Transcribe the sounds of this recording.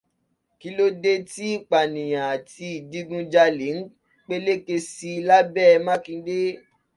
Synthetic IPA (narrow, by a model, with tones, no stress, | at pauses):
ki˦lo˦de˦ti˦i˦˨k͡pa˨nĩ˨j̃ã˨a˨ti˧i˨di˧ɡũ˦d͡ʒa˧le˨˦n̩˦ | k͡pe˦le˦ke˧si˧la˦bɛ˦˧mã˦kĩ˧de˦